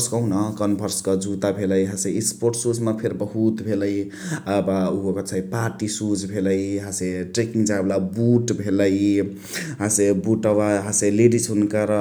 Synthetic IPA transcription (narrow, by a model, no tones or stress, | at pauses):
skʌũnʌkənbʱʌɾskʌd͡ʒʱut̪abʱeləjɦãseispoɾʈsud͡ʒmapʰeɾbəɦut̪bʱeləj | əbauɦokʌt͡ʃʰajpaɾʈisud͡ʒbʱeləiɦãseʈɾekiŋɡd͡ʒablabuʈbʱeləj | ɦãsebuʈəbaɦaseleɖisɦunkaɾ